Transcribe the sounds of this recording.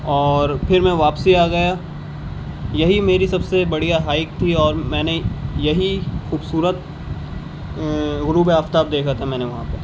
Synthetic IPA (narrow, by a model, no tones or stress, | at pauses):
ɔːɾpʰɪɾmɛ̃ʋaːpsiaːɡɐja | jɐɦimeːɾisɐbsebɐɽijaɦaːɪk̚t̪ʰiɔːɾmɛ̃ːnejɐɦixuːbsuːɾət̪ | ɣʊɾuːbeaːft̪aːb̚d̪eːkʰat̪ʰɛmɛ̃ːneʋɐɦãpe